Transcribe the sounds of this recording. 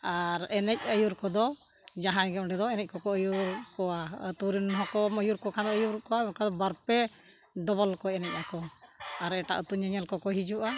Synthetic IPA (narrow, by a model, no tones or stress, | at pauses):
aɾɛnɛc̚əjuɾkɔd̪ɔ | d͡ʒaɦãjɡɛʔɖɛd̪ɔɛnɛc̚kɔkɔəjuɾkɔwat̪uɾinɦɔkɔməjuɾkɔkʰand̪ɔəjuɾkɔwakad̪ɔbaɾpɛ | ɖɔbɔlkɔɛnɛc̚ˀakɔaɾɛʈa̰ʔut̪uɲəɲɛlkɔkɔɦid͡ʒuʔa